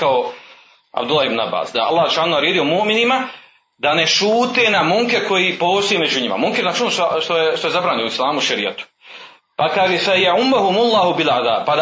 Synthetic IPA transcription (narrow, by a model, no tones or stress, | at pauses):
kao | a̰bd̪ulˠːahibnua̰ba̰ːsd̪a̰a̰lˠːaːhsuʃaːnuaːɾeːd̪ijo̞muʔminima | d̪ane̞ʃuːt̪enamuŋkeko̞jiːpoːst̪ojiːme̞d͡ʒuɲima̰muŋkeznaːt͡ʃonoʃt̪aʃt̪ojeʃt̪oe̞zabɾaːɲeoislˠaːmuuʃaɾija̰t̪u̥ | pakaːʒeːfajaʕumːaɦumulˠːaːɦubilʕad̪a̰ːbpad̪